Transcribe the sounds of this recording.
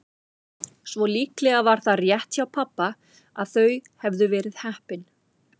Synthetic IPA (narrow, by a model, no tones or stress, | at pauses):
svɔliːklɛɣavaɾ̥θaðrjɛht̪çawpʰapːa | a̰ðθœɥhɛvðʏvɛːɾɪðhɛhpɪn